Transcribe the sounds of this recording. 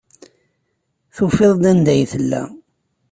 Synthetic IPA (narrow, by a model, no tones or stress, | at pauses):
θufeðˤd̪ænd̪æjθəlːæ̰